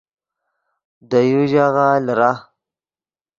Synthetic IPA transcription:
dajuʒaɣaləɾa

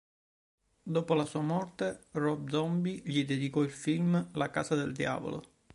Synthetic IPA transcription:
d̪oːpolasuːamɔrt̪erɔb̚d̪zɔmbiʎid̪ed̪ikɔilfilmlaka̰ːsad̪eld̪ja̰ːvo̰lo̰

